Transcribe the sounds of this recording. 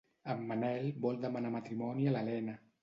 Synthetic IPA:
əmːanɛlbɔld̪əmanamat̪ɾimɔniəlalɛna

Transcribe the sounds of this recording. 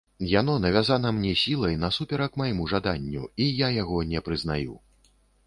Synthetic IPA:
jan̪ɔnɐvʲazanɐmnʲɛsʲilˠɐjnɐsupʲɛɾɐkmajmuʐad̪anʲːṵijajaɣɔnʲɛpɾɨznajṵ

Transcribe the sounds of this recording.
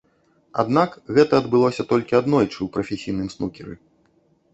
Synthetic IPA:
a̰d̪nakɣɛt̪ɐːd̪bɨlˠɔsʲɐt̪ɔlʲkʲiad̪nɔjt͡ʂɨwpɾɐfʲesʲijnɨmsnukʲɛɾɨ̰

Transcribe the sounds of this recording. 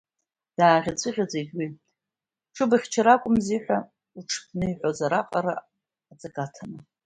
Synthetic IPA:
d̥aːʁʲat͡sʷʰʼɨʁʲad͡zeɡʲwi | ʈ͡ʂʰɨbaχʲt͡ʃʰaɾakʷʼʊmziħʷᶣa | uʈ͡ʂʰpʰnɨiħʷozaɾaqʼaɾa̰ː | t͡sʼakʼatʰanɨ

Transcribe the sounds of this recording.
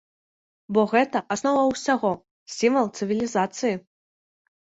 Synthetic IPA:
bɔɣɛt̪ɐʔasnavawsʲaɣɔ | sʲimvɐlˠt̪sɨvʲilʲizat̪sɨji

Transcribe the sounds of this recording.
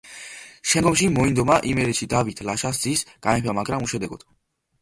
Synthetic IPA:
ʃɛŋɡɔmʃimɔind̪ɔmaʔimɛɾɛt̪ʃid̪avit̪ʰlaʃas̬d̪zisɡ̥anɛpamaɡɾamuʃɛd̪ɛɡɔd̪̥

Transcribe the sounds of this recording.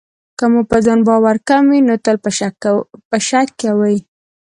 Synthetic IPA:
kəmupəzɑnbɑwaɾkamwinot̪əlpə | pəʃakːawəj

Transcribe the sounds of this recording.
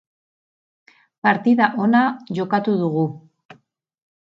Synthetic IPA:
paɾt̪iðaʔo̞naʝo̞kat̪uðuɣu

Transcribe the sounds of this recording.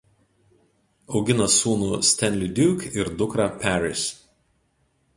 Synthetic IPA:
ɒʊɡʲɪnɐsuːnʊsʲt̪ʲɛnʲlʲid̪ʲuːkʲɪɾd̪ʊkɾɐpʲæɾʲɪ̰s

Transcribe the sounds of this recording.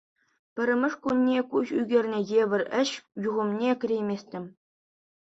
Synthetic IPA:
pʲɘ̆ɾʲɘ̆mʲɘ̆ʂkunʲːekuɕyɡʲerʲnʲɘ̆jebʲɘ̆rʲɘ̆ɕjuʁɤ̆mnʲekʲɘ̆rʲejmʲesʲtʲɘ̆mʲ

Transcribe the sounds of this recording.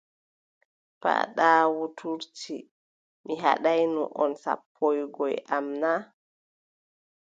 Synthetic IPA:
pa̰ɗawutʰuɾti | miɦa̰ɗajnṵʔɔnsa̰pʰːɔjɡɔjʔamna

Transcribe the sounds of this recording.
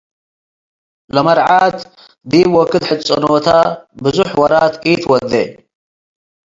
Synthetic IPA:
lɐmɐɾʕaːt̪ | d̪iːbwɔkːɨd̪ħɨt͡sʼːo̰not̪ʰabɨzuħwɐɾaːt̪it̪wɐd̪ːḛ

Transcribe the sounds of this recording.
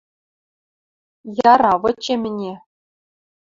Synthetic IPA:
jɑɾɑʋɤ̆t͡ɕemʲɘ̆nʲe

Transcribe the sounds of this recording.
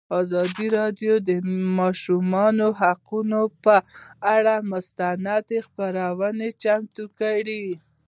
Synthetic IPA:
ɑzɑd̪iɾɑd̪jod̪əmɑʃumɑnoɦaqunopəaɽamʊst̪anad̪expaɾawənet͡ʃamt̪ukaɽi

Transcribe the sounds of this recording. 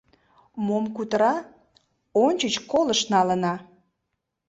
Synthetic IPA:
momkut̪əɾɑ | onʲt͡ɕət͡ɕkoləʃnɑlənɑ

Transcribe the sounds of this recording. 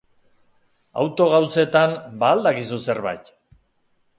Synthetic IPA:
a̰wt̪o̞ɣawse̞t̪ambaːld̪akisuse̞ɾβa̰jt̪

